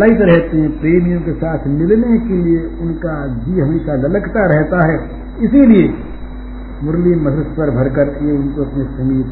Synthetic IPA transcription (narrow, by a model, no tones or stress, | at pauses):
laːɪt̪ɾɛɦt̪eɦɛ̃pɾeːmijõkesaːt̪ʰmɪlnekelieʊnkad͡ʒiɦɐmeːʃalɐləkt̪aɾɛɦt̪aɦɛː | ɪsilie | mʊɾliːɐd̪ɾəspəɾbʱɐɾkəɾeʊnkoɐpnesɐmiːt̪